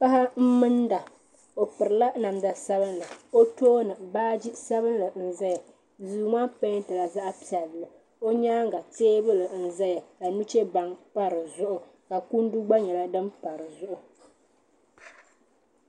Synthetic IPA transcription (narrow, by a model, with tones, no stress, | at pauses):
pa˦ha˦m̩˦mɨ˦nda˨ | o˨pɨ˨ɾɨ˨la˦na˨mda˨sa˦bɨ˦nla˨o˦toː˦nɨ˨baː˦d͡ʒi˦sa˦βɨ˦n˦lɨ˨n̩˨za˦ja˨ | zuː˦maː˦pe˦tɨ˨la˨za˦ʔpi˨ɛ˨lːɨ˨ | o˦ɲaː˦ŋ˦ɡa˨teː˦bɨ˦lɨ˨n̩˨za˦ja˨la˨nu˦t͡ʃɛ˦ba˨ŋpa˦ɾɨ˨zʊ˦ʔʊ˨ | ka˨ku˦n˦du˦ɡ͡ba˦ɲɛ˨la˦dɨ˦mpa˨ɾɨ˨zʊ˦ʔʊ˨